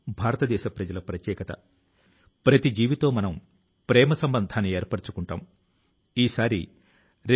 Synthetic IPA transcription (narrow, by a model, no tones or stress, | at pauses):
bʱaːɾɐt̪ɐd̪ɛːʃɐpɾɐd͡ʒɐlɐpɾɐt̪jɛːkɐt̪ɐ̰ | pɾɐt̪id͡ʒiːʋit̪o̞ːmɐnɐm | pɾɛːmɐsɐmbɐnd̪ʱaːnːieːɾpɐɽut͡ʃukuɳʈa̰ːm | iːsaːɾḭ | ɾe